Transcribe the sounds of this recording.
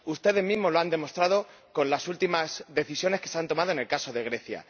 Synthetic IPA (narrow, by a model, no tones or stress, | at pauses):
ust̪e̞ðe̞zmizmoloand̪e̞mo̞st̪ɾað̞o | ko̞nlasult̪imazðe̞θisjo̞ne̞skeseant̪o̞mað̞oene̞lkaso̞ðe̞ɣ̞ɾe̞θja̰